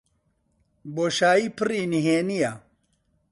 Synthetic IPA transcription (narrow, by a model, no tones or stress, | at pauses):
boːɕaːipʰɨɾiːniɦeːnija